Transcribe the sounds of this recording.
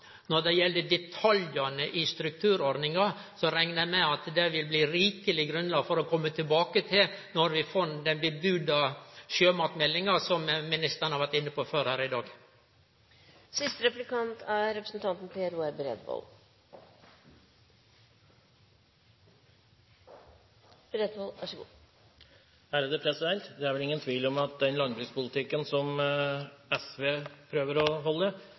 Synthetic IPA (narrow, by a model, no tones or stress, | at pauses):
nɔɾd̪ɛjɛld̪əd̪ɛt̪ʰɑljɑnəʔɪst̪ɾʉk̚t̪ʰʉːɾɔɾd̪nɪŋɑsɔɾɛŋnəæmɛɑt̪d̪ɛʋɪlbliːɾiːkəlɪɡɾʉnlɑːɡfɔɾɔkʰɔmːət̪ʰɪlbɑːkət̪ʰɪlnɔɾʋɪfɔnd̪ɛnbəbʉd̪ɑʃøːmɑːt̪mɛlːɪŋɑsɔmmɪnɪst̪əɾɳhɑɾʋæɾʈ̪ɪnːəpoːføːɾhæːɾɪd̪ɑːɡ | sɪst̪əɾɛplɪkʰɑnt̪ʰæɾɛpɾəsn̩t̪ʰɑnt̪n̩pʰeːæɾuːɛbəɾɛ̰d̪ʋɔ̰l | b̥ɾɛd̪ʋolʋɑʂəɡṵː | æɾd̪ɛpʰɾɛsɪd̪ɛlt̪d̪ɛæɾʋɛlɪŋːənt̪ʰʋiːlɔmɑt̪̚d̪ɛnlɑŋbɾʏːspʊlɪt̪ʰɪkːənsɔm | ɛsʋeːpʰɾøːʋəɾɔɦɔlːə